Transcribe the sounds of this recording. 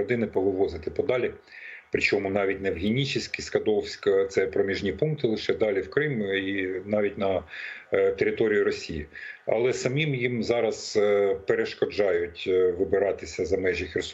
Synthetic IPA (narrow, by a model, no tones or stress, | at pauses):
ɔd̪ɪnɪpɔʋɪʋɔzɪt̪ɪpɔd̪ɑlʲi | pɾɪt͡ʃɔmʊnɑʋʲit̚ʲnɛwɦʲinʲit͡ʃɪsʲkʲiskɐd̪ɔwsʲkɐt̪sɛpɾɔmʲiʒnʲipuŋk̚t̪ɪlˠɪʃɛd̪ɑlʲiwkɾɪminɑʋʲit̚ʲnɐ | t̪eɾʲɪt̪ɔɾʲijʊɾɔsʲijḭɐ̰lˠɛsɐmʲimjimzɑɾɐzpeɾeʃkɔd͡ʒɑjʊtʲʋɪbɪɾɑt̪ɪsʲɐzɐmɛʒixʲers